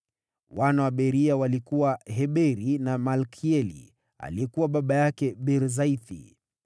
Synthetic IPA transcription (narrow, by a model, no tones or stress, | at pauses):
wanawaɓɛɾiawalikuwaɦɛɓɛɾinamalkʰiɛlḭ | a̰liɛkuwaɓaɓajakɛɓɛɾzaiθḭ